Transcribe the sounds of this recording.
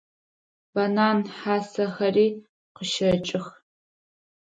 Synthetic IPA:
b̥ɐnaːnħaːsɐxɐriː | qəʃɐt͡ʃʼɪx

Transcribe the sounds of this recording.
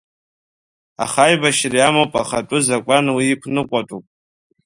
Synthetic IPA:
a̰χajbaʃriamopʼaχatʷʼʊzakʷʼanwiːkʷʰnɨkʷʼatʼupʼ

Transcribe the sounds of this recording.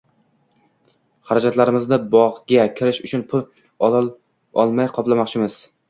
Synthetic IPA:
χaɾad͡ʒat̪laɾɪmɪznɪbɒʁɡʲakʲʰɪɾɪʃʊt͡ʃʰʊnpʰʊl | ɒ̰lˠmajqʰɒplˠamɒqt͡ʃʰɪmɪz̥

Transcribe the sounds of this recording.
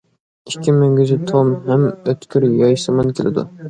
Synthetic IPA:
ɪkʲʰːimeŋɡʲyzɪt̪ʰomhɛmøt̪kʲʰyɾjɑjsɨmɑnkʲʰelɪ̰d̪ṵ

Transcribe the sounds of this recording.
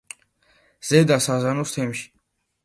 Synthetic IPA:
z̥ɛd̪asazanust̪ʰɛmʃi̥

